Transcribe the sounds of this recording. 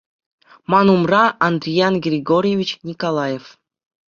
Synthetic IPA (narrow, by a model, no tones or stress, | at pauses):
mɑnumrɑɑnd̪rʲijɑnɡrʲiɡorʲjevʲit͡ɕnʲikolˠɑjef